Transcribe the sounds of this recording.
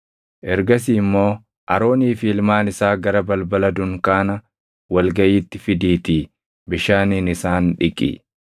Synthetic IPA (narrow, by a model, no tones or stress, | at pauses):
ʔɛɾɡɐsiːmːo̞ː | ʔɐɾo̞ːniːfɪɪlmaːnɪsaːɡɐɾɐbɐlbɐlɐd̪ʊŋkaːnɐ | wɐlɡɐjiːt̪ːɪfɪd̪iːt̪iː | bɪʃaːniːnɪsaːnᶑɪkʼḭ